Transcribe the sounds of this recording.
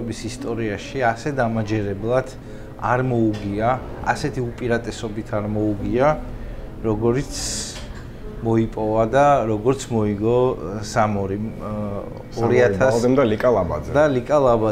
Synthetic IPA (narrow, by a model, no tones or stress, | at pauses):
ɛbisist̪ʼɔɾiaʃiasɛd̪amad͡ʒɛɾɛblˠad̪̥ | a̰ɾmɔuɡiaa̰sɛt̪ʰiupʼiɾat̪ʼɛsɔbit̪ʰaɾmɔuɡia | ɾɔɡɔɾit̪sʰ | mɔipʼɔvad̪aɾɔɡɔɾt̪sʰmɔiɡɔsamɔɾi | ɔɾiat̪ʰad̪ɛmd̪alikʼalˠaba̰d̪zɛd̪alikʼalˠaba